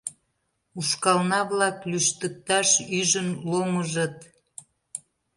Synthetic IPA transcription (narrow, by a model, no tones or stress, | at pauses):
uʃkɑlnɑβlɑklyʃt̪ək̚t̪ɑʃyʒənloməʒət̪